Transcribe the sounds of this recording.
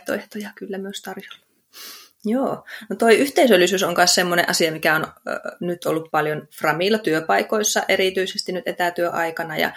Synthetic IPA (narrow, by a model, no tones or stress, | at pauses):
t̪o̰eht̪ojɑkylːæmyøst̪ɑrjo̥lːɑ | joːnot̪oiyht̪eisølːisyːsoŋkɑnssemːonḛʔɑsiɑmikæonnyt̪olːuppɑljonfrɑmiˑlːɑt̪yøpɑikoisːɑʔeriˑt̪yisest̪innyt̪ʔet̪æˑt̪yøʔɑikɑnɑjɑ̰